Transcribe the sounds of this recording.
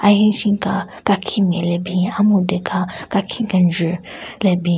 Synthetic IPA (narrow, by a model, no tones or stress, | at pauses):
aɦĩʃĩka | kakʰĩmɛ̃lɛbĩamõdekʰakakʰĩkãnd͡ʒəlɛbi